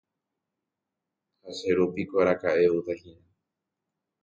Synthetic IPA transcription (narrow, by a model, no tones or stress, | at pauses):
haseɾupikʷaɾakaʔeut̪ahinã